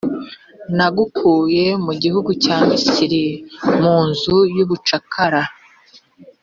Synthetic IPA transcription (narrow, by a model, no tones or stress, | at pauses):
naɡukʰuje̞muɟihuɡucaːmiciɾimuːnzujuβut͡ʃakʰaɾa